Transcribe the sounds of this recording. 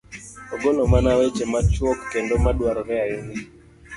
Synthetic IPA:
ɔɡolɔmanawɛt͡ʃemat͡ʃwɔkːendɔmaɗwaɾɔɾɛaini

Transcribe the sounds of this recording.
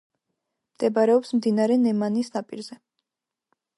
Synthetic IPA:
md̪̥ɛbaɾɛɔpsmd̪inaɾɛnɛmanisnapʼḭɾzɛ

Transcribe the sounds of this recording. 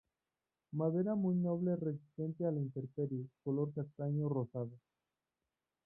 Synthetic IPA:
mað̞e̞ɾamujno̞βlere̞s̬i̥st̪e̞nt̪ealint̪e̞ɾpeɾjokolo̞ɾkast̪aɲorosaðo

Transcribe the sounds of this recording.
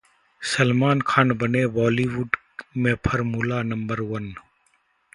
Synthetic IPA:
səlmaːnkʰaːnbəneːbɔːliːʋuːɖ | mẽːpʰəɾmuːlaːnəmbəɾwən

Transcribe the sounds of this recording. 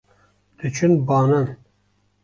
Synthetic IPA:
d̪̥ɨt͡ʃʰɨnbɑːnan

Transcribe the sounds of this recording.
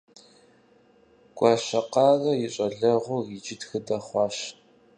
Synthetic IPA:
ɡ̥ʷʼɑːɕɐqɑːɣɐjɪɕʼɐɮɐʁʷʊid͡ʒɪtxɨdɐχʷɑːɕ

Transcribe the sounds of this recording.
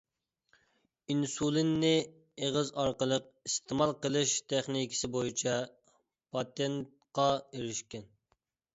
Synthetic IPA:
insulˠɪnːɪ | eʁəzɑɾqəlˠəq̚ist̪ʰɪmɑlˠqəlˠɨʃt̪ʰɛχnikʲʰɪ̥sɪbojit͡ʃʰɛ | pʰɑt̪ɛnt̪̚qɑeɾɪʃkʲɛn

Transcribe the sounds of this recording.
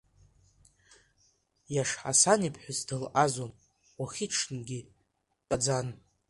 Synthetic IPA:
jaʂħa̰sanipʰħʷᶣʊzdɨlʔazon | waχʲiʈ͡ʂʰnɡʲi | dʼad͡zan

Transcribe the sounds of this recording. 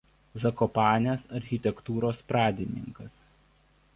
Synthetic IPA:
zɐkɔpɑːnʲesɐɾʲxʲɪt̪ʲɛkt̪uːɾoːspɾɑːd̪ʲɪnʲɪ̰ŋkɐs

